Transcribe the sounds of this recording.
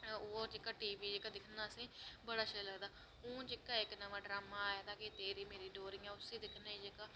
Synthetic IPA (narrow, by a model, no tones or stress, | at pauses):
oɾd͡ʒɪkaːʈiːʋiːd͡ʒeːkaːd̪ɪkʰnaːəsĩːbəɽaːʃələɡd̪aː | ũːd͡ʒɪkaːɪknəʋãːɖɾaːmaːjaːt̪ãːket̪eːɾiːmeːɾiːɖoːɾɪŋɛːʊsiːd̪ɪkʰnaːiːd͡ʒekaː